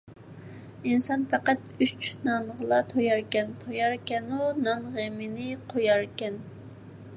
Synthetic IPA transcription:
insɑnpʰæqæt̪yt͡ʃnɑnʁəlˠɑt̪ʰojɑɾkʲɛnt̪ʰojɑɾkʲɛnunɑnʁemɪnɪqʰojɑɾkʲɛn

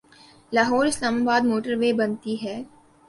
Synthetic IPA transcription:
laːɦɔːɾɪslaːmaːbaːd̪moːʈəɾʋeːbɐnt̪iɦɛː

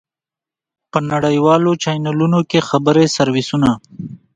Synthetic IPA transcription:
pənaɽəjwɑːlot͡ʃɑjnalunokexabəɾesɐɾwɪsuna

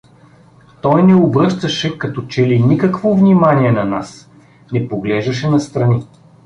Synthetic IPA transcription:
t̪ɔjnɛobɾɤʃt̪ɐʃɛkɐt̪ɔt͡ʃɛlinikɐkvovnimaniɛnɐnas | nɛpoɡlɛʒd̪ɐʃ̬ɛnɐst̪ɾɐni

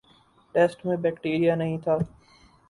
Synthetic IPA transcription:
ʈeːsʈmẽbɛːkʈiːɾijanɐɦĩt̪ʰaː

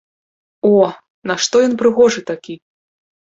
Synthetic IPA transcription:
ɔ | nɐʂt̪ɔjɔnpɾɨɣɔʐɨt̪akʲi

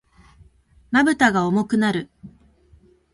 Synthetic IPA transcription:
mabɯ̟t̪aɡaomo̞kɯ̟naɾɯ̟

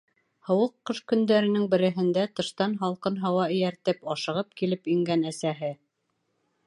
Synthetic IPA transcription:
hɤ̆wɤqːɤʃkɵ̆nd̪æɾɘ̆nɘŋbɘ̆ɾɘ̆ɦɘ̆nd̪æt̪ɤ̆ʃt̪ɑnɦɑlˠqɤnɦɑwɑɘ̆jæɾt̪ɘpɑʃɤ̆ʁɤp̚kilɘpɵŋɡænæsæɦɘ

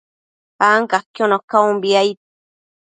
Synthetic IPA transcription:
aŋkakonokaumbiajt̪

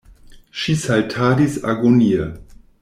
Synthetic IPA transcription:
ʃisaltʰaːdisa̰ɡoniə

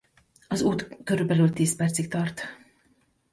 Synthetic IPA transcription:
ɒzuːt̪køɾyːbɛlyːlt̪iːspɛrt̪sik̚t̪ɒrt̪

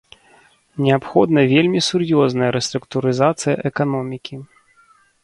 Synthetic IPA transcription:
nʲɛapxɔd̪nɐvʲelʲmʲisurjɔznɐjɐɾɛst̪ɾukt̪uɾɨzat̪sɨjɐ̰ʔɛkanɔmʲikʲi

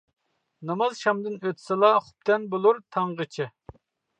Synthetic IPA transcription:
nɑmɑzʃɑmd̪ɨnøt̪ʰɪ̥sɨlˠɑχʊ̥p̚t̪ʰɛnbolˠuɾt̪ʰɑɴʁət͡ʃʰɪ

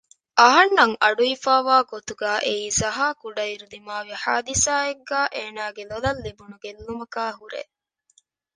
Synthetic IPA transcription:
ʔɐɦɐnːɐŋʔɐɖuifaːʋaːɡot̪uɡæːʔeiːzɐɦaːkuɖɐiɾulimaːʋiħa̰ːd̪isaːeɡːæːʔeːnaːɡelolɐlːibunuɡelːumɐkaːɦuɾḛ

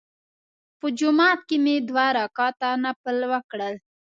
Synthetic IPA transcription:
pəd͡ʒʊmɑːt̪̚kemed̪wɑɾɑkɑt̪anapəlwəkɽəl

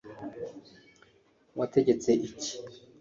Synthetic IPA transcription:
watʰeɟet͡seʔici̥

